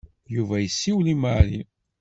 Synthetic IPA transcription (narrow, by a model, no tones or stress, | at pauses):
juvæjəsːiwlimali